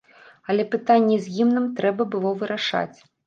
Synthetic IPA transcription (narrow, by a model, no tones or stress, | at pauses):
ɐlʲɛpɨt̪anʲːɛzʲjimnɨmt̪ɾɛbɐbɨlˠɔvɨɾaʂa̰t͡sʲ